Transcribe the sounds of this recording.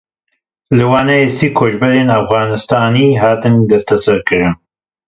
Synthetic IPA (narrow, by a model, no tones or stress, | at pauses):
lɨwaːnaesikʰoːd͡ʒbɐɾeːnafɣɑːnɨst̪aːniːɦaːt̪ɨnd̪ɐst̪ʰɐsɐɾkɨɾɨn